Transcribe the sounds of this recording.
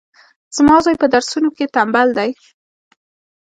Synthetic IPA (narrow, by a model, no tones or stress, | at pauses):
z̥mɑzɑjpəd̪aɾsunoket̪ambald̪aj